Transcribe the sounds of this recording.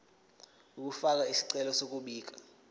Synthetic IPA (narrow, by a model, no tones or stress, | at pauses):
uk̬ʼufak̬aisi̥ǀɛlɔsok̬ʼuɓiːk̬ʼḁ